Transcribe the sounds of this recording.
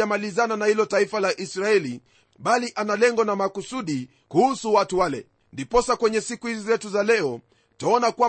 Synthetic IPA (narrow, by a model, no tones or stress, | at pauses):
amalizananahilɔtaifalaʔisɾaɛli | ɓaliʔanalɛŋɡɔnamakusuɗi | kuhusuwatuwalɛ̰ | ndipɔsakwɛɲɛsikuhizizɛtuzalɛɔ | taɔnakwa